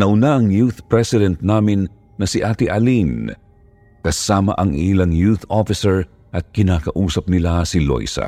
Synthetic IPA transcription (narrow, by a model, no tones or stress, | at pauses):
nɐʔʊnaʔɐŋjuθpɹɛsɪd̪ɛnt̪̚naːmɪnː | ɐsiʔaːt̪iʔɐlin | kɐsaːmɐ̰ʔɐŋʔilɐŋjuθofɪsɛɹ | ʔɐt̪̚kɪnaːkɐʔuːsɐp̚nɪlasilo̰jsɐ̰